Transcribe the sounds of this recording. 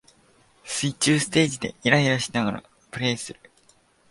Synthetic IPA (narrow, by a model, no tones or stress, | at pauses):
sɨit͡ɕɨːsɨ̥t̪e̞ːd͡ʑid̪e̞̰iɾaiɾaɕinaɡaɾa̰ | pɯ̟ɾe̞ːsɨɾɯ̟